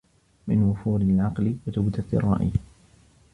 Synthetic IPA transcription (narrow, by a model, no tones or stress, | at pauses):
mɪnwʊfuːɾɪlʕɑqlɪwat̪awd̪at̪ɪ̰rˤːɑ̰ːʔj